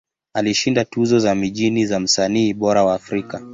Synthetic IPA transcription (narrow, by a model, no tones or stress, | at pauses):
aliʃindatuzɔzamiʄinizam̩saniːɓɔɾawaːfɾika